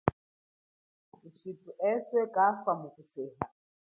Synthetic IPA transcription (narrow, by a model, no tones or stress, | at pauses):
uʃitʼuʔɛswɛkʼafamukusɛːɦa